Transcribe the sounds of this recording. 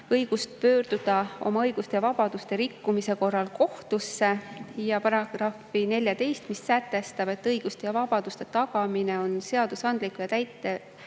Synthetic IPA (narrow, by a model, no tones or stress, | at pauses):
ɤjɡ̥ust̪̚pø̞ːɾd̪̥ud̪̥ɑo̞̰mɑɤjɡ̥ust̪e̞jɑvɑb̥ɑd̪̥ust̪e̞ɾikːumise̞ko̞rːɑlko̞ht̪usːe̞jɑpɑɾɑɡ̥rɑfine̞lʲjɑt̪e̞jst̪misːæt̪ːˑe̞st̪ɑb̥e̞t̪ːɤjɡ̥ust̪ejɑvɑb̥ɑd̪̥ust̪e̞t̪ɑɡ̥ɑmine̞o̞nse̞ɑd̪̥usɑnd̪̥likːˑujɑt̪æjt̪ːˑe